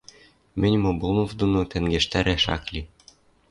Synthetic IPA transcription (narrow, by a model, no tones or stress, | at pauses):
mɘ̆nʲmobulˠmofd̪unut̪æŋɡĕʃt̪æɾæʃɑ̰klʲi